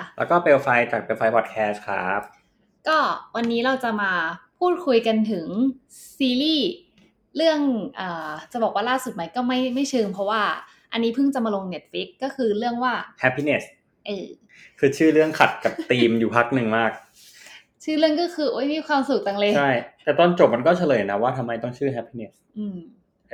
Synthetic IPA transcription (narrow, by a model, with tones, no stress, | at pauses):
a˧˩lɛː˦˥wkɔː˥˩pe˧wfa˧jt͡ɕaː˨˩k̚pe˧wfa˧jpʰɔ˨˩t̪̚kʰɛː˦˥s̚kʰa̰ː˦˥p̚ | kɔː˥˩wa˧nːiː˦˥ɾa˧wt͡ɕa˨˩maː˧pʰuː˥˩t̪̚kʰu˧jka˧nt̪ʰɯ˩˦ŋ | siː˧liː˥˩ | ɾɯ˥˩əŋʔɤː˨˩t͡ɕa˨˩bɔː˨˩k̚waː˥˩laː˥˩su˨˩t̪̚ma˦˥jkɔː˥˩ma˥˩jma˥˩jt͡ɕʰɯː˧ŋpʰɔ˦˥waː˥˩ | ʔa˧nːiː˦˥pʰɯ˥˩ŋt͡ɕa˨˩maː˧lo˧ŋne˦˥t̪̚fli˦˥kːɔː˥˩kʰɯː˧ɾɯ˥˩əŋwaː˥˩hɛ˦˥pʰːi˧ne˨˩s | ʔeː˧˩ | kʰɯː˧t͡ɕʰɯː˥˩ɾɯ˥˩əŋkʰa˨˩t̪̚ka˨˩p̚t̪iː˧mjuː˨˩pʰa˦˥k̚nɯ˨˧ŋmaː˥˩k̚ | t͡ɕʰɯː˥˩lɯ˥˩əŋkɔː˥˩kʰɯː˧ʔoː˦˥jmiː˧kʰwaː˧msu˨˩k̚t̪a˨˩ŋlɤː˧jt͡ɕʰa˥˩jt̪ɛː˨˩t̪ɔː˥˩nt͡ɕo˨˩p̚ma˧nk̬ɔː˥˩t͡ɕʰa˧lɤː˨˩jna˦˥waː˥˩t̪ʰa˧mːa˧jt̪ɔ˥˩ŋt͡ɕʰɯː˥˩ɦɛ˦˥pʰːi˧ne˨˩s | ʔɯː˧m